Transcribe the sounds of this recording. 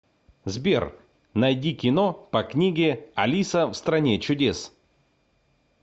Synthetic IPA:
zbʲer | nɐjdʲikʲɪnopɐknʲiɡʲɪɐlʲisəfst̪ɾɐnʲet͡ɕʊdʲes

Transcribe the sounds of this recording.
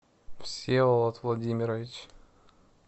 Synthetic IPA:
fsʲeləlˠət̪vlˠɐdʲimʲɪɾəvʲɪt͡ɕ

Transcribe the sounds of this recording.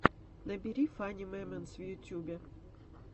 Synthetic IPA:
nɐbʲiɾʲifanʲimɛmɛnsʋʲijʊtʲubʲɛ

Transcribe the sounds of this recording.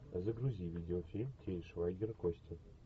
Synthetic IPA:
ɐzəɡɾuzʲivʲidʲɪofʲilʲmtʲejʲʂvajɡʲɪrkosʲtʲɪ

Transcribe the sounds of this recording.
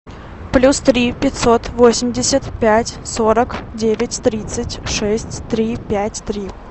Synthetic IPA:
plʲust̪ɾʲipʲɪtʲso̞t̪vo̞sʲɪmʲdʲɪsʲət̪pʲætʲsoɾəkdʲevʲɪtʲt̪ɾʲit̪sɨtʲʂɛsʲtʲt̪ɾʲipʲætʲt̪ɾʲi

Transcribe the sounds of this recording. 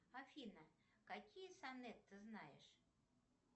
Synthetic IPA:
afʲinɐ | kakʲijɐsanɛt̪ːɨznajɛ̰ʂ

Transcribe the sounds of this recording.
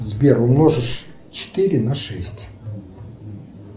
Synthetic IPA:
zbʲerʊmnoʐɨʂ | t͡ɕɪ̥t̪ɪɾʲɪnaʂɛsʲtʲ

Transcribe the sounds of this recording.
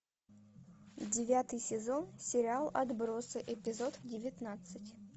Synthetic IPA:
dʲɪvʲat̪ɨjsʲɪzonsʲɪɾʲɪalˠɐ̰d̪bɾosɨʔɪpʲɪzo̞t̪dʲɪvʲɪt̪nat̪sɨtʲ

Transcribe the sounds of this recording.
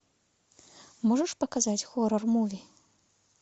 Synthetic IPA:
mɔʐɐʂpɐkazat͡sʲxɔɾɐrmɔvʲi

